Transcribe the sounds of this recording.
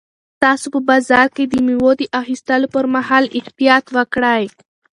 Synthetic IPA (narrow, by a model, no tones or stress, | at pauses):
t̪ɑsopəbazɑɾked̪əmiwod̪iʔaxist̪əlopəɾmaɦɑːlɪht̪ijɑt̪wəkɽaj